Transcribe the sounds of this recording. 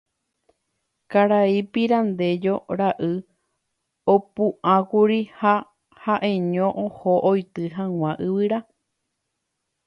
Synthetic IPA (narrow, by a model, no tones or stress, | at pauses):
kaɾaipiɾand̪e̞d͡ʒoɾaʔɨ | opũʔãkuɾiha | haʔẽɲõʔohoʔojt̪ɨɦãw̃ʷãʔɨβɨɾa